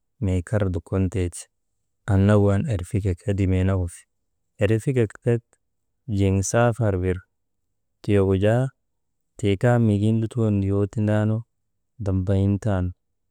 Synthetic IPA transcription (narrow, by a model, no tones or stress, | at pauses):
meːkʰɐɾd̪ʊkːɔnt̪eːt͡ʃ | ʔɐnːɐwanɛɾfɪkɛkɐd̪ɪmeːnɐkʊf | ɛɾfɪkɛkt̪ɛt̪ | d͡ʒeŋsaːfɐɾbɪɾ | t̪ɪjɔɡʊd͡ʒaː | t̪eːkaːmɪɡinlʊt̪und̪ɪjoːt̪ɪndaːnɔ | d̪ɐmbɐjɪnt̪aːn